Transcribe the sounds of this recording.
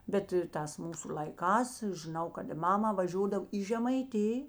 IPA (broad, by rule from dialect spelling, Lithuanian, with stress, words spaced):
ˈbʲɛt ɪr ˈtɑːs ˈmuːsʊ lʲɐɪˈkɑːs ʒʲɪˈnɐʊ kɐt ɪ ˈmɑːmɐ ʋɐˈʒʲoːdɐw iː ʒʲɛmɐɪˈtʲɪj